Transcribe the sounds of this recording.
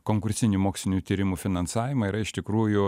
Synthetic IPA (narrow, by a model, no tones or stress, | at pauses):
koːŋkʊɾʲsʲɪnʲumoːksʲlʲɪnʲuːt̪ʲiːɾʲɪmuːfʲɪnɐnsɑːʋʲɪmɐiɾɐɪʃt̪ʲɪkɾuːjʊ